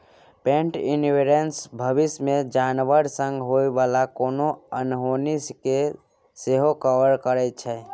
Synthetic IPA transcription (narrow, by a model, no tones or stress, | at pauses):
pẽːɳʈɪ̰nʋeɾensbʱəʋɪsmẽd͡ʒaːnʋəɾsə̃ŋɡɦoːiʋaːlakoːnoənɦoːniske | seːɦokəʋəɾkəɾɛt͡ʃʰɛː